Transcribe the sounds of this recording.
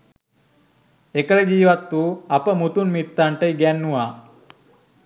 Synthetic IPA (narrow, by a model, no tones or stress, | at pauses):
ekələd͡ʒiːʋat̪ːuapəmut̪unmit̪ːaɳʈəiɡɛnːuʋaː